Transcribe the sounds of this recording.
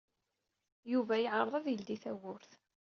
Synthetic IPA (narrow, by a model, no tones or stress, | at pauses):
juvæjəʕɾˤɑðˤɑðjəld̪iθæwʊɾθ